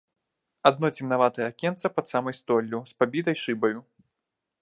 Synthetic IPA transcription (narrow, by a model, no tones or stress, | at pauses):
ad̪̚nɔt͡sʲimnavat̪ɐjɐːkʲɛnt̪sɐpɐt̪samɐjst̪ɔlʲːuspabʲit̪ɐjʂɨbɐju